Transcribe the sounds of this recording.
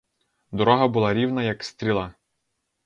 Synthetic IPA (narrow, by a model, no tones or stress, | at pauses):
d̪ɔɾɔɦɐbʊlˠɑɾʲiwnɐjɐkst̪ɾʲilˠɑ